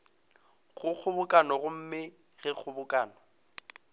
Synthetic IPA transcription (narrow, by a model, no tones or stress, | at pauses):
ɣʊk͡xʰʊbʊkʼanɔɣʊm̩mɪ | ɣɪk͡xʰʊbʊkʼaːnɔ